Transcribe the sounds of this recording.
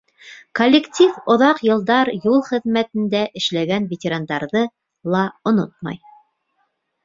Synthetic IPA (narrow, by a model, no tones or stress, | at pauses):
kolʲːektʲifŏðɑqjɤ̆lˠd̪ɑɾjulˠχɘ̆ðmæt̪ɘ̆nd̪æʔɘ̆ʃlæɡænvʲetʲeɾand̪ɑɾðɤ | lˠɑŏnot̪̚mɑ̰j